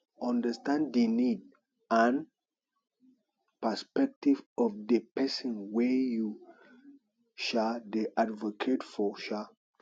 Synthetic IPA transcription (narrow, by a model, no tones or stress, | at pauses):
ɔ̃ndəstãndenid | ãn | pəspɛk̚tivɔfdəpɛsɔ̃nwɛju | ʃadeʔadvokʰetfɔʃa